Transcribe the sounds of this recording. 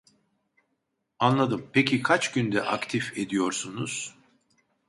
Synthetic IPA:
anlˠad̪ɯmpecʰikʰat͡ʃɟynd̪ɛʔakt̪ʰife̞d̪ijo̞ɾsunuz̥

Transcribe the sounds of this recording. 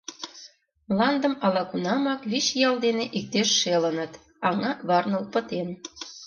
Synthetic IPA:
lɑnd̪ə̆mɑlɑkunɑmɑkβiɕjɑld̪eneʔik̚t̪eʃːelənət̪ | ɑŋɑβɑrnəlpət̪en

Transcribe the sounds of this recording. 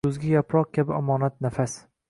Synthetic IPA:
ʊzɡʲajapɾɒq̚kʲabɪamɒːnat̪̚nafas

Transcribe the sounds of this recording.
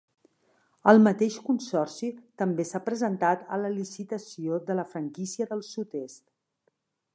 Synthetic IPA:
əlˠmət̪eʃkunsɔrsit̪əmbesapɾəzənt̪at̪ə̰ləlisit̪əsioðələfɾəŋkisiəðəlˠsut̪est̪

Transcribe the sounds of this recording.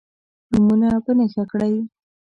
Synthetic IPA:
numunapənaʃakɽaj

